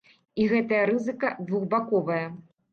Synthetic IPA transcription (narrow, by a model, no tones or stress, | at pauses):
iɣɛt̪ɐjɐɾɨzɨkɐd̪vuɣbakɔvɐjɐ